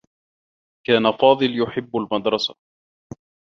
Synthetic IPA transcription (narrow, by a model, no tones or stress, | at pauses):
kaːnafɑːd̪ˤɨljʊħɪbːalmɑd̪ɾˤɑsa